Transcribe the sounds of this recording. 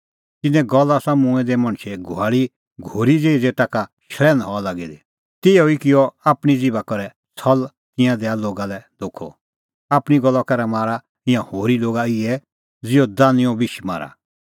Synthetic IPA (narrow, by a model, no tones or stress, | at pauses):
t̪ɪnɛ̃ɡɔlasamʊ̃ɛ̃d̪ɛmɐ̃ɳ̃t͡ʃʰɛɡʱʊaːɭi | ɡʱoːɾid͡zeːid͡zeːʈakaʃɾɛːnɦɔalaːɡid̪ɛ | t̪ɪɔikɪjɔaːpɽ̃id͡zɪbakɔɾɛ | sʰɔl | t̪ɪ̃jãd̪ɛːaloːɡalɛd̪oːkʰːɔ̰ | aːpɽ̃iɡɔlːakɐɾɛmaːɾa | ɪ̃jãhoːɾiloːɡaɪɛ | d͡zɪɔd̪aːnɪ̃jɔbɪʃma̰ːɾa̰